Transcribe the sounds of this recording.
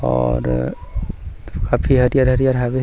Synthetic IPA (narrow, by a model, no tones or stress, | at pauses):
ɔːɾ | kaːfʰiɦəɾijaːɾɦəɾijaːɾɦabe